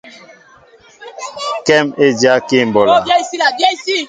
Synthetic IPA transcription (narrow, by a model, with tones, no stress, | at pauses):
kɛ˦me˦d͡ʒja˦ke˦˨m̩˨bɔ˨la˨˦˨i˦